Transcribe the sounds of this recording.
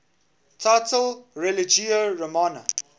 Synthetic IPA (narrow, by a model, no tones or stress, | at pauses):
tʰaɪtʰəlɹɛlɪd͡ʒiəɹəmanə̰